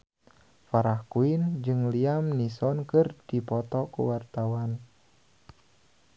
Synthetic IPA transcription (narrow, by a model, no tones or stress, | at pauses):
faɾahkuɪnd͡ʒɨŋliamnisɔnkɨrd̥ipɔt̪ɔkṵwart̪awan